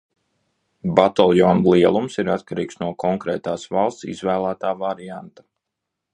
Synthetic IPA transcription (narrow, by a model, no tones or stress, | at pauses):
bat̪alˠjɔnlˠiɛlˠumsiɾat̪kaɾiːksnuɔkʰɔŋkɾɛːt̪aːsvalˠst̪sḭzvæːlˠæːt̪aːvaɾiant̪ḁ